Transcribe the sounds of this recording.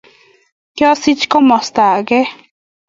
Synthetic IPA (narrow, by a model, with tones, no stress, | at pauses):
kjo˦si˦t͡ʃko˦mo˨st̪a˨ɡe˦